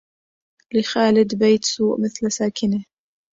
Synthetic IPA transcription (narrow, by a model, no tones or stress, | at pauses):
lɪxaːlɪd̪bejt̪suːʔmɪθlsaːkɪna